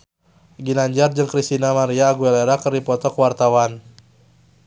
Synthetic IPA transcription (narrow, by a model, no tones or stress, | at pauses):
ɡinaɲd͡ʒard͡ʒɨŋkɾist̪inamaɾiaːɡueleɾakərdipɔt̪ɔkəwart̪awan